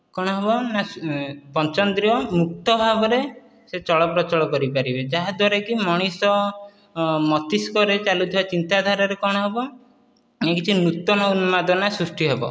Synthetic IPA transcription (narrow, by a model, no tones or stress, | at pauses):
kɔɽ̃ɔɦebɔnapɔnt͡ʃɔnd̪ɾijɔmuk̚t̪ɔbʱabɔɾe | set͡ʃɔɭɔpɾɔt͡ʃɔɭɔkɔɾipaɾibed͡ʒaɦad̪ʱwaɾekimɔɽ̃isɔ | mɔt̪iskɔɾet͡ʃalut̪ʰbat͡ʃint̪ad̪ʱaɾaɾekɔɽ̃ɔɦebɔ | ekit͡ʃʰinut̪ɔnɔunmad̪ɔnasɾusʈiɦebɔ̰